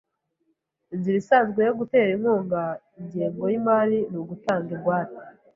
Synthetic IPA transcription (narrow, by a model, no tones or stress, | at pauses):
ziɾisazɡwejoɡute̞ːɾiŋuːŋɡaiɲɟeːŋɡo̞jimaːɾinuɡutaːŋɡeɡwaːtḁ